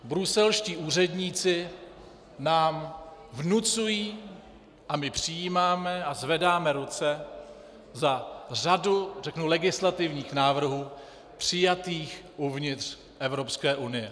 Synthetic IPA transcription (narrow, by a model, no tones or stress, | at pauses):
bɾusɛlʃciːʔuːr̝ɛdɲiːt͡sɪ | naːmvnut͡sujiː | ʔamɪpr̝̥ɪjiːmaːmɛazvɛdaːmɛɾut͡sɛ | zar̝adurɛknulɛɡɪslat̪ɪvɲiːxnaːvr̩ɦuː | pr̝̥ɪjat̪iːxʔuvɲɪt̪r̥ | ʔɛvɾo̞pskɛːʔunɪjɛ